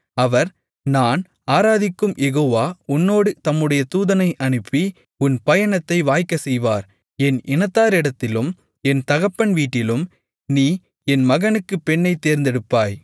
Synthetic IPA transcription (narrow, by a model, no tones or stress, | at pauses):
ɐʋɐɾ | naːn | aːɾaːðɪkːɯmjɛɣoːʋaːʊnːoːɽɯt̪ɐmːɯɽɐjɐt̪uːðɐnɐɪʔɐɳɯpːi | ʊnpɐjɐɳɐt̪ːɐɪʋaːjkːɐsɛjʋaːɾ | ɛnʔɪnɐt̪ːaːɾɪɽɐt̪ːɪlɯm | ɛnt̪ɐɣɐpːɐɳʋiːʈːɪlɯm | niː | ɛnmɐɣɐnɯkːɯpːɛɳːɐɪt̪ːeːɾnd̪ɛɽɯpːaːj